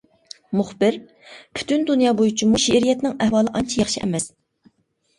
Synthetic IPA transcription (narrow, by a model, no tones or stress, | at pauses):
mʊχbɪɾ | pʰy̥t̪ʰynd̪unjɑːbojut͡ʃʰimuʃeɾijɛt̪nɪŋɛhwɑːlˠɨʔɑnt͡ʃʰijɑχʃiʔɛ̰mɛs